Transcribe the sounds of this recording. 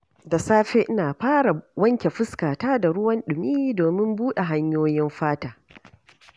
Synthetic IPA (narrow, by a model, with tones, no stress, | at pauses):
da˨saː˦ɸe˦ʔɪ˦naː˨ɸaː˦ɽa˨wɐ˦ŋkʲe˨ɸɪ˦skaː˨taː˦da˨ɽʊ˦wɐ˦nɗʊ˨miː˦doː˨mɪ˦mbuː˦ɗe˨ɦa˦ɲjoː˦jɪ˦mɸaː˦taː˨